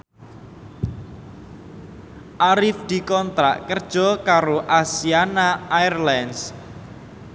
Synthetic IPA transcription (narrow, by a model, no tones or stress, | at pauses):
ʔaɾɪfd̪̥i̤kɔnt̪ɾa̰ʔkərd̥ʒ̥ɔkaɾoʔasianaajrlɛns